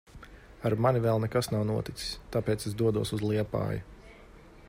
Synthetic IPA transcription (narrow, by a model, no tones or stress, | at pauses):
aɾmanivɛːlˠnɛkasnawnuɔt̪it̪si̥sʲt̪aːpeːtsesd̪uɔd̪uɔsuzlˠiɛpa̰ːju